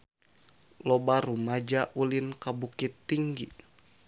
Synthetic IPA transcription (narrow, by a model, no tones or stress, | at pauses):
lobarumad͡ʒaʔulinkabukit̪ːiŋɡi